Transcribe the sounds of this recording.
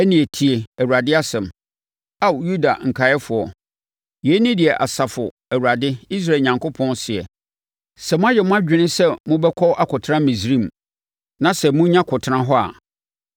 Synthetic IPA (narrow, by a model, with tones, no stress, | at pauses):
æ˦nĩ˨e˨tʰi˨e˨æ˨wu˨ɾa˨dɪ˦a˦sɛ̃˨m | a˦˨wju˦da̰˨ŋ̩˨kʰa˨˦ɛ˦fʊ˨ɔ˨ | jɛ˨˦nĩ˦dɪ˨ɛ˨ʔa̰˨sa˨fʊ˨ | æ˨wa˨dɪ˦i˦s̬ɾa˦˨ɲã˨ŋkʰʊ˦pʰɔ̃˦nsɪ˨ɛ̰˨ | sɛ˨mʊ̃˦a˦jɛ˨mʊ̃˦a˦d͡ʑᶣɪ̃˨˦nɪ̃˦sɛ˦mʊ̃˦bɛ˦kʷʰɔ˦ʔa˦kʰʊ˨tʰɾã˦mĩ˨s̬ɾĩ˦˨m˨ | nã˨˦sɛ˨mʊ̃˦ɲã˦kʰʊ˨tʰɪ˦ɾã˦ɦɔ˦a̰˨